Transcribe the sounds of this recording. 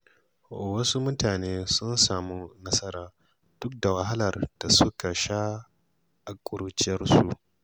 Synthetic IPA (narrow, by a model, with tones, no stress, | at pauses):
o̰˨wɐ˦su˦mʊ˦taː˨neː˦sʊ˦nsaː˨mu˦nɐ˦sɐ˦ɾaː˨ | d̥ʊ˦k̚da˨wɐ˦ɦa˦lɐ˨rd̥a˨su˦ka˨ʃa˦ | a˨kʷʼʊ˦ɾu˦t͡ʃɪ˦ɐ˦rsṵ˨